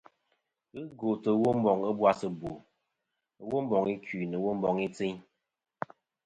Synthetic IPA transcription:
ɨ˦ɡo˨tə˨˦wo˦m̩˦bɔ˨ŋə˦bwa˦sɨ˨bo˨˦ | wo˦m˦bɔ˨ŋi˦ki˨nɨ˨wo˦m̩˦bɔ˨ŋi˦t͡si˦ɲ

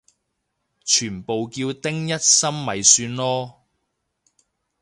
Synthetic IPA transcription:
t͡ʃʰyː˨˩npo˨wkiː˧wt̪ɪ˥ŋjɐ˥t̚sɐ˥mmɐ˨jsyː˧nlɔː˥

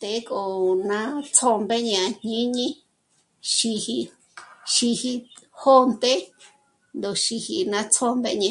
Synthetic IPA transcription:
t̪e˨˦ko˨nã˧t͡sʰo˧mbe˦ɲã˧ɲ̥ĩ˦ɲĩ˦ | ʃi˧hi˧ | ʃi˧hi˧ho˦nt̪e˦ | nd̪o˨ʃi˧hi˧nã˧t͡sʰo˧mbe˧ʔɲã˧

